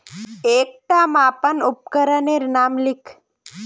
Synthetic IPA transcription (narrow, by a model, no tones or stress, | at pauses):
eːk̚ʈamaːpənʊp̚kəɾəneɾnaːmlikʰ